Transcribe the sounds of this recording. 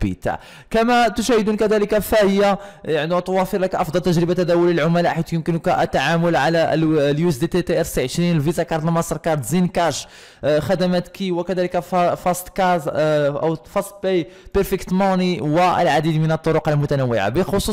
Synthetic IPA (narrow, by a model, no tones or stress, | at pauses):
bḭt̪a̰ʕ | kæmæt̪ʊʃæhəd̪unkæd̪æləkæfæhəjːajaʕnit̪wæfəɾlækʔɑfd̪ˤɑlt̪ːəʒɾəbat̪ːæd̪æwʊlilʕʊmælaħit̪jəmkənkæʔt̪ːaʕamʊlʕalæljuzd̪et̪et̪eʔæɾsiʕəʃɾinəlvizɑkɑɾˤd̪əlmɑsˤɾˤkɑɾˤd̪zinkɑʃ | xæd̪æmæt̪kiwəkæd̪æləkæffɑsˤt̪kɑzʔæ̰wfɑsˤt̪bejpəɾfəkt̪mɑniwəə̰lʕad̪id̪mənət̪ˤːoɾʊqəlmʊt̪ænəwːɪʕa̰bəxosˤu